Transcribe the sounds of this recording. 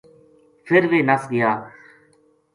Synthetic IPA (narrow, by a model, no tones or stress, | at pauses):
fʰɪɾʋeːnəsɡɪjaː